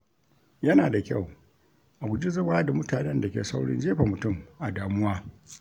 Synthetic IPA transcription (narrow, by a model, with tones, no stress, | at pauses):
jɐ˦naː˨da˨kʲɐ˦˨w | ʔa˨ɡʊ˨d͡ʒi˦zɐ˦waː˦da˨mʊ˦taː˨nɛ˦nda˨kʲḛː˨sa˦wɽɪ̰˦nd͡ʒeː˦ɸa˨mʊ˨tʊ˦˨mʔa˨daː˨mʊ˦waː˦